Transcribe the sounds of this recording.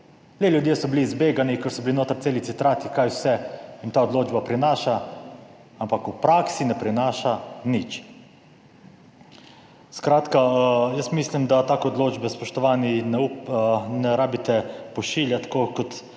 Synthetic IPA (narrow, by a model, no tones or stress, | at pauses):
leljud̪jeːsɔbiliːzbeːɡanikɛɾsɔbilinoːt̪aɾt̪seːlit̪sit̪ɾaːt̪ikajwsɛint̪aːɔd̪loːd͡ʒbapɾinaːʃa | ampakupɾaːksinɛpɾinaːʃanit͡ʃ | skɾaːt̪kajəsmislimd̪at̪aːkoɔd̪loːd͡ʒbɛspɔʃt̪ɔʋaːninɛ | nɛɾaːbit̪ɛpɔʃiːljat̪kokɔt̪